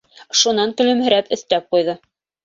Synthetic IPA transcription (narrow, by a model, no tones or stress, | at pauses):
ʃunɑŋkɵ̆lɵ̆mɦɘ̆ɾæpɵ̆θt̪æp̚qujðɤ